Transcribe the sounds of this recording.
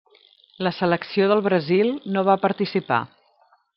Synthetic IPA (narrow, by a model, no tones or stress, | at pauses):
ləsələksioðəlˠβɾəzilˠnoβapəɾt̪isipa̰